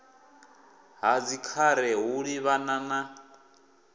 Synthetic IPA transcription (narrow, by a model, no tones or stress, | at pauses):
ɦad͡zikʰaɾɛɦuɺiβanana